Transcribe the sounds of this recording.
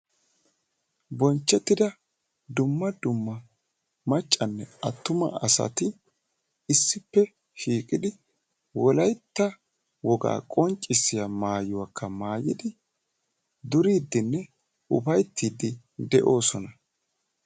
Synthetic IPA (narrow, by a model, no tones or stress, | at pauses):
bɔnt͡ʃːɛt̪ːɪd̪ɐ | d̪ʊmːɐd̪ʊmːɐ | mɐt͡ʃʼːɐnːɛɐt̪ːʊmɐ̰ɐsɐ̰t̪ɪ | ɪsːɪpːɛ | ʃiːkʼɪd̪ɪ | wɔlɐjt̪ːɐ | wɔɡa̰ːkʼɔnt͡ʃʼːɪsːɪjamaːjʊwakʰːɐmaːjɪd̪ɪ | d̪ʊɾiːd̪ːɪnːɛ | ʔʊbɐjt̪ʰːiːd̪ɪ | d̪ɛʔo̞ːsɔnɐ